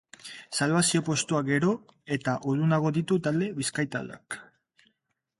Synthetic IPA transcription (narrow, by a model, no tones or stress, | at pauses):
salβasio̞po̞st̪uaɡe̞ɾo̞ | e̞t̪aʔoðunaɣ̞o̞ðit̪ut̪ald̪e̞βiskajt̪a̰la̰k